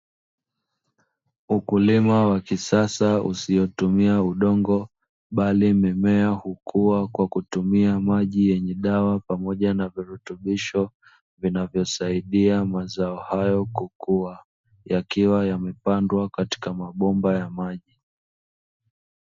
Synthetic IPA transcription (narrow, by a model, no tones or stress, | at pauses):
ukulimawakisasaṵsijɔtumiauɗɔŋɡɔ | ɓalimɛmɛahukʰuwakwakutumiamaʄijɛɲɛɗawapamɔʄanaviɾutuɓiʃɔ | vinavjɔsaiɗiamazaɔhajɔkukua | jakiwajamɛpandwakati̥kamaɓɔmbajamaʄi